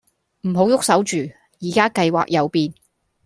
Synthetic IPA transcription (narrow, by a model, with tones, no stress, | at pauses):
m̩˨˩ɦo˨˥wjʊ˥k̚sɐ˨˥wt͡ʃyː˨ | jiː˨˩kaː˥kɐ˧jwa̰ː˨k̚jɐ˨˧wpiː˧n